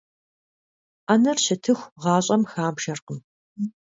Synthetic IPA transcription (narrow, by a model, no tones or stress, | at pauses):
ʔanɐrɕɐtʰɨxʷʁɑːɕʼɐmxaːmʃɐrqəm